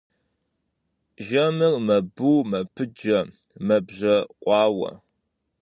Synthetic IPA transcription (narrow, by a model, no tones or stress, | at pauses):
ʒɐmɨrmɐbuːmɐpʰɨd͡ʒɐ | mɐbʑɐqʷʼɑːwɐ̰